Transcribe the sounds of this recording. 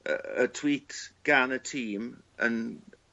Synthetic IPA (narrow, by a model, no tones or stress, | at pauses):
ə̰ətʰw̥iːtʰɡ̥anətʰiːm | ə̰n